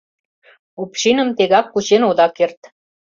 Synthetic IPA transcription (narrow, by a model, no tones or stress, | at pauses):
upʃinə̆mt̪eɣɑkːut͡ɕenod̪ɑkert̪